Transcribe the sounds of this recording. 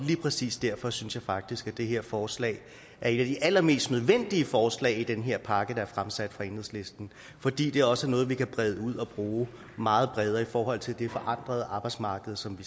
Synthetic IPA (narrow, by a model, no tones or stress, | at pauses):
liːpʰʁɛsḭːsd̥æɐ̰fɒ̽synsjɑ̈ɪfɑ̈ɡ̥̚d̥isɡ̥æd̥e̝ɦe̝ɐ̰fɒːslɛ̰ːɪ | ʔæɐe̝næd̥iʔælɐme̝̰ːsd̥nøð̞ˠʋen̰d̥iəfɒːslɛ̰ːɪid̥enɦe̝ɐ̰pʰɑ̈ɡ̥əd̥ɑ̈æɐfʁamsæd̥fʁɑ̈e̝nhð̩̰ˠsle̝sd̥n̩ | fɒ̽d̥ḭːd̥e̝æɐɒ̽sənɔ̽ːð̞̩ˠʋikʰæb̥ʁɛð̞ˠəuð̰ˠɒ̽b̥ʁuː | mɑ̈ːð̞̩ˠb̥ʁɛð̞ˠɐifɒːɦɒ̽l̰t͡sʰe̝ld̥e̝fɒ̽ʔɑ̈n̰d̥ʁɐð̞̩ˠɑ̈ːb̥ɑ̈ɪ̥smɑ̈ːɡ̥əð̞̩ˠsɒ̽mʋi